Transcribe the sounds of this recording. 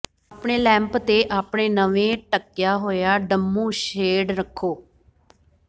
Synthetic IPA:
aːpɳeːlɛ̃ːmpt̪eːʔaːpɳeːnəʋẽːʈəkːɪjaːɦoːjaːɖəmːũːʃeːɖɾəkʰːoː

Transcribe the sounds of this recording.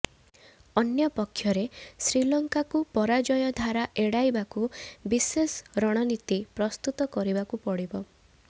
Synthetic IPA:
ɔnjɔpɔkʰːjɔɾesɾilɔŋkakupɔɾad͡ʒɔjɔd̪ʱaɾaʔeɽajbakubisesɾɔɽ̃ɔnit̪ipɾɔst̪ut̪ɔkɔɾibakupɔɽibɔ

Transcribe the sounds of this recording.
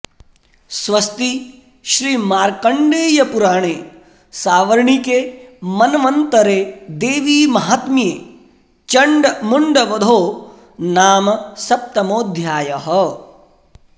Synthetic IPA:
sʋɐst̪i | ʃɾiːmaːɾkɐɳɖeːjɐpuɾaːɳ̃eː | saːʋɐɾɳikemɐnɐʋɐnt̪ɐɾeːd̪eːʋiːmɐɦaːt̪mijeː | t͡ʃɐɳɖɐmuɳɖɐʋɐd̪ʱoː | naːmɐsɐp̚t̪ɐmoːd̪ʱjaːjɐɦɐ

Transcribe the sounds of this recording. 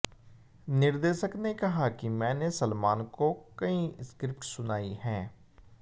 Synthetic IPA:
nɪɾd̪eːʃəkneːkəɦaːkɪmɛ̃ːneːsəlmaːnkoːkəĩːskɾɪpʈsʊnaːiːɦɛː

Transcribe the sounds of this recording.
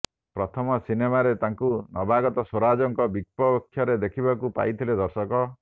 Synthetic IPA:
pɾɔt̪ʰɔmɔsinemaɾet̪aŋkunɔbʱaɡɔt̪ɔsoɾad͡ʒɔŋkɔbik̚pɔbɔkʰːjɔɾed̪ekʰibakupa̰jt̪ʰiled̪ɔɾsɔkɔ

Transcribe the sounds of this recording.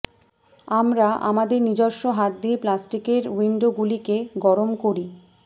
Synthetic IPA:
amɾaʔa̰mad̪eɾnid͡ʑoɾʃːoɦat̪̚d̪ieplasʈikeɾwiɳɖoɡulikeɡɔɾomkoɾi

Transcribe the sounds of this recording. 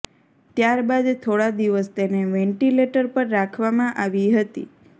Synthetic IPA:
t̪jaɾbad̪t̪ʰoɽad̪iʋəst̪eneʋẽɳʈileʈəɾpəɾːakʰʋamãʔaʋiɦət̪ḭ

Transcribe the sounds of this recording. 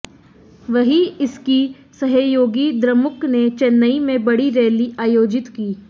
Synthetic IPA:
ʋɐɦiɪski | sɐɦəjoːɡid̪ɾəmʊknet͡ʃɛnːəimẽbɐɽiɾeːliʔaːjoːd͡ʒɪt̪kiː

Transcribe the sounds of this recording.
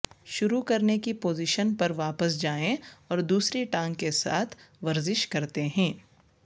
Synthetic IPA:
ʃʊɾukɐɾnekipoːzɪʃənpɐɾʋaːpəsd͡ʒaːẽɔːɾd̪uːsɾiʈãːŋɡkːesa̰ːt̪ʰʋɐɾzɪʃkɐɾt̪eɦɛ̃ː

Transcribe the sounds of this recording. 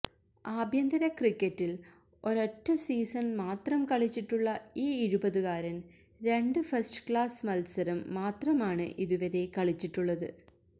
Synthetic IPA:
aːbʱjɐnd̪ɐɾɐkrikːɐtːil | o̞ɾotːɐsiːsɐnmaːt̪rɐmkɐɭit͡ɕːiʈːuɭːɐiːiɾubɐðuɣaːɾɐn | ɾe̞ɳɖɨfɐsʈɨ̥kɭaːsmɐlsɐɾɐmːaːt̪rɐmaːɳɨʔiðuʋɐɾekɐɭit͡ɕːiʈːuɭːɐðɨ

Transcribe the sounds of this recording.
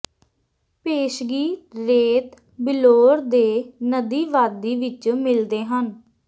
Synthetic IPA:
peːʃɡiːt̪ɾeːt̪ | bɪloːɾd̪eːnəd̪iːʋaːd̪iːʋɪt͡ʃmɪld̪eːɦən

